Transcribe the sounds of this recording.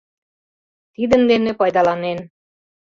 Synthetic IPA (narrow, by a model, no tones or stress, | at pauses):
t̪id̪ə̆nd̪enepɑjd̪ɑlɑnen